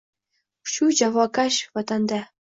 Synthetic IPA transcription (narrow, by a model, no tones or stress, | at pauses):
ɕud͡ʑɑvɑkɑɕʋɑt̪ɑnd̪ɑ